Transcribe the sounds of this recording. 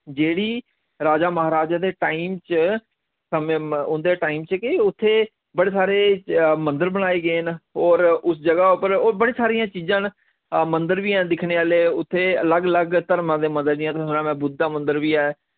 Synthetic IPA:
d͡ʒeːɽiː | ɾaːd͡ʒaːməɦaːɾaːd͡ʒaːd̪eːʈaːiːmt͡ʃ | səmẽːʊnd̪eːʈaːiːmt͡ʃkɪʊt̪ʰːeː | bəɽeːsaːɾeːmə̃nd̪əɾbəɽaːeːɡəeːnoːɾʊsd͡ʒəɡaːʊpəɾoːbəɽeːsaːɾiːãːt͡ʃiːzãːn | mənd̪əɾʋijãːd̪ɪkʰɳeːaːleːʊt̪ʰːeːələɡələɡt̪əɾmãːd̪eːmənd̪əɾd̪ɪjãːt̪ːsənãːmɛ̃ːbʊd̪ːaːmə̃nd̪əɾʋiːɛː

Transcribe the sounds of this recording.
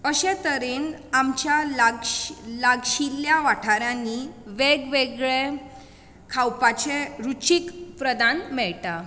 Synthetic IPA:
əɕẽt̪əɾenamt͡ɕjalaɡlaɡɕilːjaʋaʈʰaɾjãnːiʋeɡʋeɡɭe | kʰawpat͡ɕeɾut͡ɕikpɾəd̪anmɛɭʈa

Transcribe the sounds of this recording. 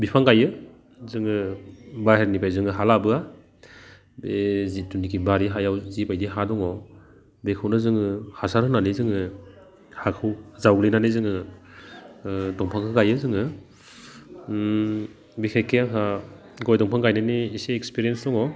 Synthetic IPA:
bipʰaŋɡajɯ | zɯŋɯbaɦeɾnipʰajzɯŋɯɦalabɯa | bezitunikʰibaɾiɦajawzibajdiɦadɔŋɔ | bekʰɯwnɯzɯŋɯhasaɾhɯnanizɯŋɯ | hakʰɯwzawɡlinanizɯŋɯ | dɔŋpʰaŋkʰɯɡajɯzɯŋɯ | bikʰakeakʰa | ɡɔjdɔŋpʰaŋɡajnaniːseekspiɾijensdɔŋɔ

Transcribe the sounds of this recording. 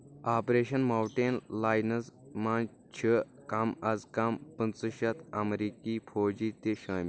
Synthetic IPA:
aːpɾeːʃɐnmaːwʈeːnlaːjnɐsmaːn | t͡ʃʰə | kɐmɐzkɐmpɨnt͡sɨʃɐt̪ʰɐmɾiːkifʰoːd͡ʒiːt̪eʃɐːmi

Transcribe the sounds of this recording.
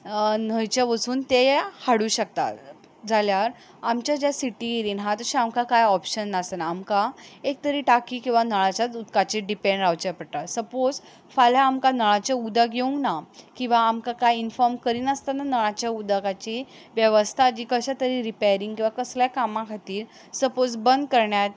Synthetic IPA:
n̤əjt͡ɕaʋəsuːnt̪ehaɽuːɕək̚t̪a̰t̪ | d͡zaljaɾ | amt͡ɕjad͡ʑjasiʈiɾiːnɦãt̪əɕiamkakajɔpɕənːasənaːmkaek̚t̪əɾiːʈakiːkĩw̃ʋanəɭ̃at͡ɕat͡sut̪kat͡ɕeɖipeɳɖɾawt͡ɕapəɾʈ̪atsəpod͡z | faljaːmkanəɭ̃at͡ɕeud̪aɡeũŋɡnakĩw̃ʋaːmkakajinfɔɾmkəɾiːnəst̪ananəɭ̃at͡ɕjaud̪aɡat͡ɕi | ʋjəʋəst̪ʰad͡ʑiːkəɕat̪əɾiːɾipajɾiŋɡkĩw̃ʋakəsljakamãkʰat̪iːɾ | səpod͡zbənd̪̚kəɾɳjat̪̚

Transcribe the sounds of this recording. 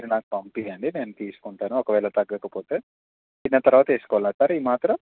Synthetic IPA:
ɐɾinaːkupɐmpiɐɳɖine̞ːnut̪iːsu̥kuɳʈaːnuɔkɐʋɛːlɐt̪ɐɡːɐkɐpo̞ːt̪e̞ː | inːɐt̪ɐɾʋaːt̪ɐe̞ːsu̥kɔʋalnɐsaːɾiːmaːt̪ɾɐm

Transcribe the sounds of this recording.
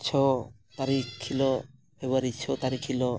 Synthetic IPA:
t͡ʃʰɔ | t̪aɾiilɔ | pebəɾit͡ʃʰɔt̪aɾikʰilɔ

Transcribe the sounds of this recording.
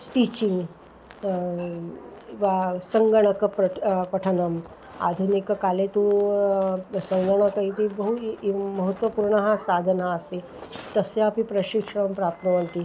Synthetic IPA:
sʈit͡ɕiŋɡ | ʋasəŋɡəɳ̃əkəppəʈʰənəm | a̰d̪ʱunikkalet̪ũ | səŋɡəɳ̃əkəit̪ibəɦuməɦət̪ʋəpuɾɳəɦãsad̪ʱənãəst̪e | t̪əseapipɾəɕikʂmpɾap̚t̪əʋənt̪i

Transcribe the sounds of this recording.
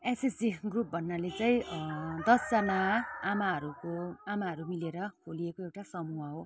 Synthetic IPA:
esesd͡ziɡrup̚bʱʌnːalet͡saĩd̪ʌsamaːmaɦʌɾukoamaɦʌɾumileɾʌkʰoliekoewʈasʌmuaɦo

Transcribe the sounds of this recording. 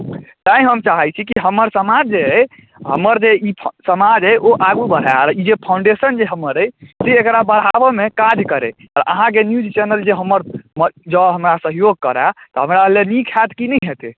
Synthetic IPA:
t̪aĩɦəmt͡ʃaɦəjt͡ʃʰikiɦəməɾsəmad͡ʒd͡ʒe | ɦə̰məɾd͡ʒeipʰsəmad͡ʒɦəjʔoʔaɡubəɽ̤aɾid͡ʒepʰãʊ̃ɳɖesənd͡ʒeɦəməɾəjseːkɾabəɾ̤ɦabəmekad͡ʒkəɾḛ | ɔɾə̰ɦãk̬enjud͡ʒt͡ʃɛnəld͡ʒeɦəməɾməd͡ʒəɦəmɾasəɦjoɡ̚kəɾat̪ɔɦəmɾalenikʰat̪kinɛɦet̪e

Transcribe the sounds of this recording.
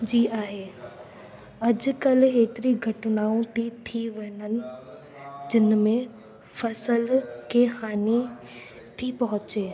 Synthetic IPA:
d͡ʑiːʔaːɦeː | ɐd͡ʑkɐlɦeːt̪ɪɾiɡʱɐʈnaːũt̪ʰit̪ʰiʋeːnənɪ̆ | d͡ʑɪnmẽ | fɐsəlkexaːni | t̪ʰipɐɦʊt͡ɕeː

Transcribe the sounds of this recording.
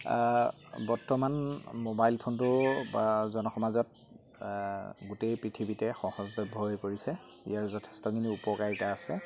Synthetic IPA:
bɔɹtɔmanmobajlpʰontʊbazɔnɔxɔmazɔt̚ | ɡutejpɹitʰibitɛxɔhɔzbɛbʱɔjkoɹisɛ | ḭjaɹzɔtʰɛ̥stɔkʰiniupɔkaɹitaːsɛ

